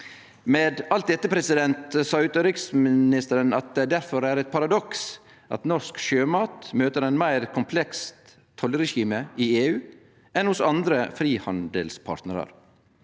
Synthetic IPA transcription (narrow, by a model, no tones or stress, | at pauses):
meːd̪ɑlt̪̚d̪ɛt̪ːəpʰɾɛsɪd̪ɛnt̪sɑːʉːt̪əɾɪksmɪnɪst̪əɾənɑt̪̚d̪ɛd̪æɾfɔɾæɾɛt̪̚pʰɑɾɑd̪ɔks | ʔɑ̰t̪nɔskʃøːmɑːt̪møːt̪əɾɛnmæɪɾkʰʊmpʰlɛks | t̪ʰːɔləɾɛʃiːməɪeːʉː | ʔɛnhʊsɑnd̪ɾəfɾiːhɑnd̪əlspʰɑ̰ːɾʈ̪nəɾə̰ɾ